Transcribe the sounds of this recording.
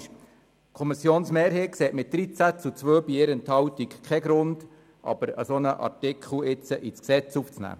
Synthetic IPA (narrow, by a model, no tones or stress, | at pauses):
kʰɔmisjoːnsmeːɾɦeːt̚kseːtmɪt̚d̥̪ɾit͡sæt͡sut͡sʋøːbiɪɾənt̪hɑwt̪ikkχɛɡɾʊnd̥ | ʔɑ̰b̥əɾə̰sonəʔɑ̰rtɪkχl̩ɪt͡səʔit͡sksɛt͡suft͡snæ̰ː